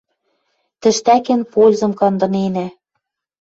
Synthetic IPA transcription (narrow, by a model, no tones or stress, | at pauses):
t̪ɘ̆ʃt̪ækɘ̆npolʲzɤ̆mkɑnd̪ɤ̆nenæ